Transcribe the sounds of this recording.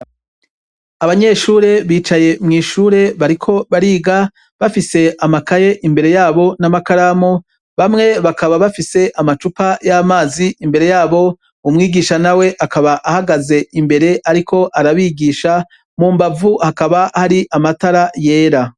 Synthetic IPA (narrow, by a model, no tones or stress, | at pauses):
aβaɲe̞ʃuːɾe̞βiːt͡ʃaje̞mŋiːʃuːɾe̞βaɾikʰo̞βaɾiːɡa | βafise̞amakaje̞ʔimbe̞ɾe̞jaːβo̞namakaɾamo | βamŋe̞βakaβaβafise̞ʔamat͡ʃupajamaːziʔimbe̞ɾe̞jaːβo̞ | umŋiːɡiːʃanawe̞ʔakaβaʔahaɡaze̞imbe̞ɾe̞ʔaɾikʰo̞ʔaɾaβiːɡiːʃa | muːmbavuhakaβahaɾiʔamataɾaje̞ːɾa